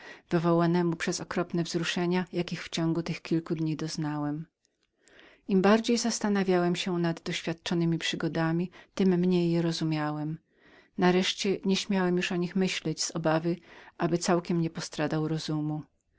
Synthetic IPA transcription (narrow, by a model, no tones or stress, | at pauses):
vɘvɔwanɛmupʂɛzɔkɾɔpnɛvzɾuʂɛɲajakʲixft͡ɕɔŋɡut̪ɘxkʲilkud̪ɲid̪ɔznawɛm | imbaɾd͡ʑejzast̪anavʲjawɛmɕɛnad̪ːɔɕfʲjat̪̚t͡ʂɔnɘmʲipʂɘɡɔd̪amʲit̪ɘmːɲejːɛɾɔzumʲjawɛm | naɾɛʂt͡ɕɛɲɛɕmʲjawɛmjuʂɔɲixmɘɕlɛd͡ʑz̥ɔbavɘʔabɘt̪sawkʲɛmɲɛpɔst̪ɾad̪awɾɔzumu